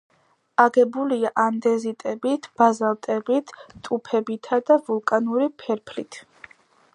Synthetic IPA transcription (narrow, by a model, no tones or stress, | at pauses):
aɡɛbuliaʔand̪ɛzit̪ʼɛbit̪ʰb̥azalˠt̪ʼɛbit̪ʰt̪ʼupʰɛbit̪ʰad̪avulˠkʼanuɾipʰɛɾpʰlit̪ʰ